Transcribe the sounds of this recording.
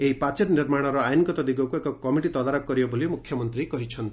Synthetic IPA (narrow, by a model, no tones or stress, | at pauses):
eɦipat͡ʃeɾniɾmaɽ̃ɔɾɔajnkɔt̪ɔd̪iɡɔkuekɔkɔmiʈit̪ɔd̪aɾɔkkːɔɾibɔbolimukʰjɔmɔnt̪ɾikɔɦit͡ʃʰɔnt̪i